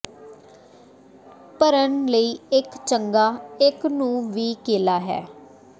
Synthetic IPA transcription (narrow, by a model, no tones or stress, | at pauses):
pəɾənləiːɪkt͡ʃəŋɡaːɪknũːʋiːkeːlaːɦɛ̰ː